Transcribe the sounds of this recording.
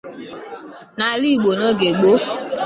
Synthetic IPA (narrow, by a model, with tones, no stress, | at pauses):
na˨li˦˨ɡ͡bo˨no˦ɡe˨ɡ͡bo˦